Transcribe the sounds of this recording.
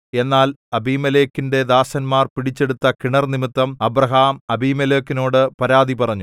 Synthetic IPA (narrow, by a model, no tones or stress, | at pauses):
e̞nːaːlɐbiːmɐleːkːinde̞d̪aːsɐnmaːrpiɽit͡ɕːe̞ɽut̪ːɐkiɳɐrnimit̪ːɐmɐbrɐɦaːmɐbiːmɐleːkːino̞ːɽɨpɐɾaːd̪ipɐrɐɲːu